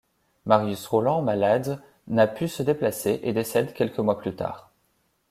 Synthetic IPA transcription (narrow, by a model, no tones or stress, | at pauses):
maʁjysʁolɑ̃malad̪ | napʰysəd̪eplaseʔed̪esɛd̪kʲɛlkəmwaplyt̪a̰ːʁ